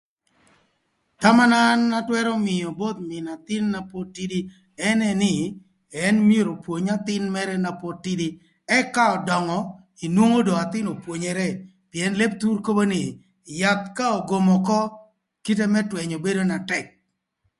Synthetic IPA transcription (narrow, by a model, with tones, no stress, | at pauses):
t̪a˦ma˦na˦nːa˦twɛ˦ɾɔ˦mɪ˨jɔ˨bo˦t̪mɪ˨na˨t̪ɪ˦nːa˨po˦tːi˦di˦ | ɛ˦nɛ˦nɪ˦ | ɛ˦nm˦e˦ɾo˨pwo˨ɲa˦t̪ɪ˦nmɛ˦ɾɛ˦na˨po˦tːi˦di˦ | ɛ˦ka˦ɔ˨dɔ˨ŋɔ˨ | i˨nwo˦ŋo˦dɔ˨a˨t̪ɪ˦no˨pwo˨ɲɛ˨ɾɛ˦ | pi˨ɛ˨nle˦p̚t̪u˦rko˦bo˦nɪ˨ | ja˨t̪ka˦ɔ˨ɡo˨mɔ˨kɔ˦ | ki˦t̬e˦mɛ˦twɛ˨ɲɔ˨be˦do˦na˨tɛ˨k̚